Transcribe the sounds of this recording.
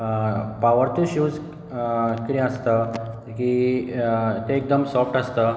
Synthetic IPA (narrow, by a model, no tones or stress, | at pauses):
paʋəɾt̪uɕuːd͡z | kiɾĩəst̪ə | ki | t̪eek̚d̪əmsɔfʈəst̪ə